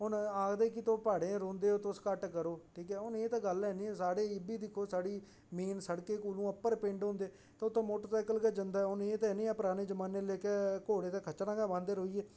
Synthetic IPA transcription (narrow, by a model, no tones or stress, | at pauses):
ʊnaːkd̪eːk̬ɪt̪oːpaːɽẽːɾõːnd̪eːoːt̪ʊskəʈkəɾoːʈʰiːkɛːʊneːt̪ãːɡəlɛːnĩːsaːɽeːɪbiːd̪ɪkʰːoːsaːɽiː | meːnsəɽkeːkuːlũːəpːəɾpẽːɳɖɦõːnd̪eː | t̪ãːʊt̪ːãːmoːʈəɾsaːkəlkaːd͡ʒənd̪aːɛʊneːt̪aɛːnĩːɛːpəɾaːneːd͡ʒəmaːneːleːkɛːkoːɽeːt̪ãːkʰət͡ʃnãːkaːʋãːnd̪eɾɦoːiːeː